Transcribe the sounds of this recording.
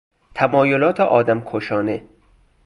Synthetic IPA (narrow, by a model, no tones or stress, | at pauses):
t̪ʰæmɒːjolɒːt̪ʰeʔɒːd̪æmkʰoʃɒːne